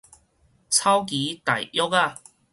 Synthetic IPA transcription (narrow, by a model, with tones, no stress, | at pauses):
t͡sʰɐ˥wk̬iː˨˦t̪ɐ˨˩jjɔ˥k̚aː˧